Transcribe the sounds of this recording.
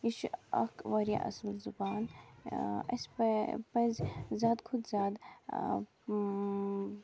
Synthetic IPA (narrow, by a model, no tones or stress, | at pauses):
iʃɐ̰kʋɐɾija̰ʔɐ̰slzubaːn | ɐ̰sppɐzzʲaːd̪kʰʊd̪zʲaːd̪